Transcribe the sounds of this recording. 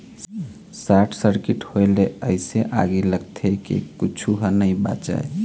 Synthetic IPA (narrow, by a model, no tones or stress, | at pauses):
saʈʰsəɾkiʈhoeleəɪseʔa̰ɡiləɡt̪ʰekḛkit͡ʃʰuɦənəjba̰t͡ʃa̰e